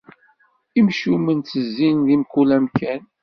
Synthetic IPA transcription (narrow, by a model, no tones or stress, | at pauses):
imʃumənt͡sːəzːinðimkːulæmkæn